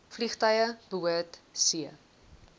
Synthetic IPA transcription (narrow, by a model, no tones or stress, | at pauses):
fliχtœjəb̥əuətsiə